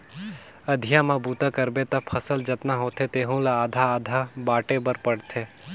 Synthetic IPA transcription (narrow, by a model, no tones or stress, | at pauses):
ɐd̪ʱɪjamãbuːt̪akəɾbet̪ɐpʰɐsəld͡ʒɐt̪naɦoːt̪ʰet̪eːɦũlaaːd̪ʱaaːd̪ʱabaːʈebəɾpəɽt̪ʰeː